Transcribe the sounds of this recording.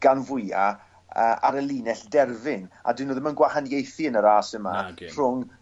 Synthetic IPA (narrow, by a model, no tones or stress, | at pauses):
ɡ̥anvʊja | əʔaɾəlˠiːnɛɬdɛrvɪna̰dwɪnoːðəmənɡwahanjejθiənəɾaːsəmar̥ʊŋ